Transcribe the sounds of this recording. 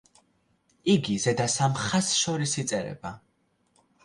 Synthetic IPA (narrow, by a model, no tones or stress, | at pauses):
iɡizɛd̪asamχasʃɔɾisit̪sʼɛɾɛ̰ba